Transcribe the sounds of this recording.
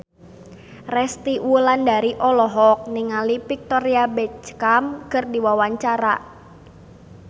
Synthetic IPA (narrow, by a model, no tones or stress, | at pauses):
rɛst̪iwlandaɾiʔɔlɔɦɔk̚niŋalipik̚t̪ɔɾiabɛt̪̚skamkərdiwawaɲt͡ʃaɾa